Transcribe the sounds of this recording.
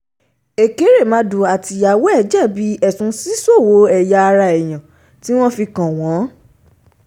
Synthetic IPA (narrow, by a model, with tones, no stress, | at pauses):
e˨ke˨˦ɾe˦˨mã˨˦du˨˧a˨ti˧ja˨wɔ˦ɛ˦˨d͡ʒɛ˦˨bi˨˦ɛ˦˨tũ˧˦si˦so˦˨wo˨˦ɛ˨ja˧ɾa˧ɛ˨j̃ã˨ | ti˦w̃ɔ̃˦fi˧kã˨w̃ɔ̃˨˦